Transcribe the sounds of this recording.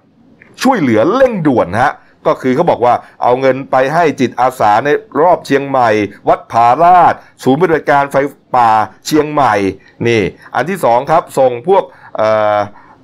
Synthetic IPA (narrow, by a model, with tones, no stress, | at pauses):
t͡ɕʰu˥˩əjlɯ˩˦ɐle˥˩ŋdu˨˩ənha˦˥ʔ | kɔː˥˩kʰɯː˧kʰa˥wbɔː˨˩k̚waː˥˩ʔa̰˧wŋɤ˧npa˧jɦa˥˩jt͡ɕi˨˩t̪̚ʔaː˧saː˩˦na˧jɾɔː˥˩p̚t͡ɕʰi˧əŋma˨˩jwa˦˥t̪̚pʰaː˧ɾaː˥˩t̪̚ | suː˨˦npi˧˨˩a˧˩t̪̚kaː˧nfa˧jpaː˨˩t͡ɕʰi˧əŋma˨˩j | niː˥˩ʔa˧nt̪ʰiː˥˩sɔː˩˦ŋkʰɾa˦˥p̚so˨˩ŋpʰu˥˩ək̚ʔɤː˨˩